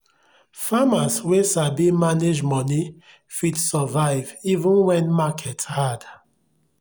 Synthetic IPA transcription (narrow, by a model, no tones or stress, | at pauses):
famaswesabimaned͡ʒmɔni | fidsɔvaɪvivũnwɛ̃nmakʰɛthad̥